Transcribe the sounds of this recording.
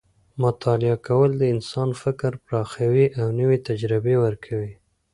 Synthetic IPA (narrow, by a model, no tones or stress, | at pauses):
mʊt̪ʰɑlɪakawəld̪əɪnsɑnfɪkɾpɾɑxawiʔawnəwet̪ad͡ʒɾɪbewəɾkʰawi